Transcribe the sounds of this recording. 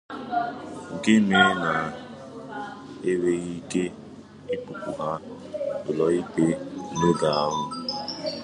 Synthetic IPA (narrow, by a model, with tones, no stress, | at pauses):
ŋ̩˨ke˦me˦na˨ | e˦we˦ɣi˦ke˦ | i˦pu˨pu˨ɦa˦ | ʊ˨lɔ˨i˦k͡pe˦ne˦da˨a˦ɦʊ˦